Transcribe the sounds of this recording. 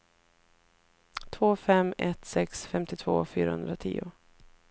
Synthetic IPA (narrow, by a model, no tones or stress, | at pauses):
t̪ʰvoːfɛmɛt̪sɛksfɛmt̪ɪt̪ʰv̥o̰ːfyːɾahɵnd̪ɾat̪ʰḭːʊ